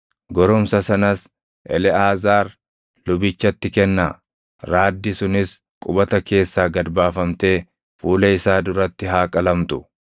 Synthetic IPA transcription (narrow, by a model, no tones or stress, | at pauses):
ɡɔɾɔmsɐsɐnɐs | ʔɛ̰lɛaːzaːɾ | lʊbɪt͡ʃːɐt̪ːɪkɛnːa | ɾaːd̪ːɪsʊnɪs | kʼʊbɐt̪ɐke̞ːsːaːɡɐd̪baːfɐmt̪e̞ː | fuːlɛɪsaːd̪ʊɾɐt̪ːɪɦaːkʼɐlɐmt̪ʊ